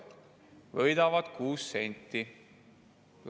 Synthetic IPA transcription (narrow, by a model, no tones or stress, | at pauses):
vɤjd̪ɑvɑd̪̥kuːsːe̞nʲt̪ˑːi | l